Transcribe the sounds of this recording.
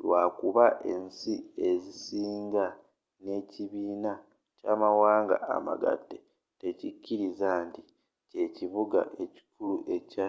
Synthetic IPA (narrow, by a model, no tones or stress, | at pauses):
lwaːkuβaʔe̞nsie̞zisiːŋɡa | ne̞ːciβiːna | caːmawaːŋɡa̰ʔa̰ma̰ɡa̰dːe̞ | te̞cicːiɾizaːnti | ce̞ciβuɡa̰ʔe̞ci̥kuluʔe̞ca